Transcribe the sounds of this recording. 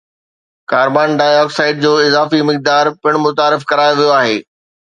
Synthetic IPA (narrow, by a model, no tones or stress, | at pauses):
kaːɾbaːnɖaːɪjɔːksaːɪɖ̚d͡ʑoːɪzaːfimɪk̚d̪aːɾpɪɽ̃mʊt̪aːɾɪfkɐɾaːjoʋijoaːɦeː